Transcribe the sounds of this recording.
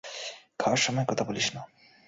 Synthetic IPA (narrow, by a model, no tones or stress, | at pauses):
kʰawaɾʃɔmɔekɔt̪ʰaboliʃna